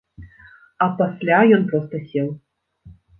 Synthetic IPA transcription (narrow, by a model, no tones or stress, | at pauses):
ɐpasʲlʲajɔnpɾɔst̪ɐsʲɛw̪